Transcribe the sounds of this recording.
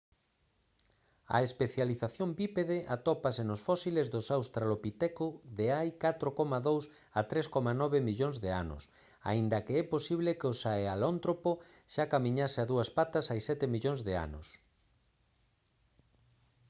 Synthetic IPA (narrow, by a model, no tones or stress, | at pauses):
ɐ̰espeθjaliθaθjombipeðeʔat̪ɔpasenosfɔsilezðʊsawst̪ɾalopit̪ɛkʊðeajkat̪ɾokɔmaðows | at̪ɾeskɔmanɔβemiʎoŋzðea̰nʊ̰s | a̰ind̪ɐkeɛposiβlekeosaealont̪ɾopo | ʃakamĩɲaseaðuɐspat̪ɐsajsɛt̪emiʎoŋzðea̰nʊ̰s